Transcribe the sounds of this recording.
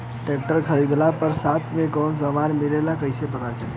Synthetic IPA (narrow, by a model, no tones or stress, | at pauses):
ʈek̚ʈəɾkʰəɾid̪lapəɾsat̪ʰmẽkɔnsəmanmilelakəɪsepənat͡ʃʰɛ